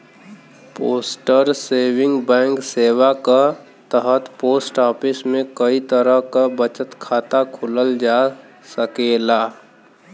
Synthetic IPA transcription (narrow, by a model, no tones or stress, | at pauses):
poːsʈəɾseːwɪ̃ŋɡbɛ̃ːŋkseːwaka | t̪əɦət̪poːsʈɔːpʰɪsmẽkəit̪əɾəɦkabət͡ʃət̪kʰaːt̪akʰʊləld͡ʒaː | səkeːlaː